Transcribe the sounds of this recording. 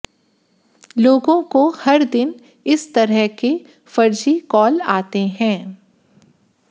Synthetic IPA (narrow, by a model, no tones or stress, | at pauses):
loːɡõkohɐɾd̪ɪn | ɪst̪ɐɾəɦke | fɐɾd͡ʒikɔːlaːt̪eɦɛ̃ː